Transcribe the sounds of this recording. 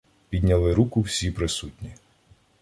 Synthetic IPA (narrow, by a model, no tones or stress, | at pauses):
pʲid̪ʲnʲɐlˠɪɾukʊwsʲipɾɪsutʲnʲi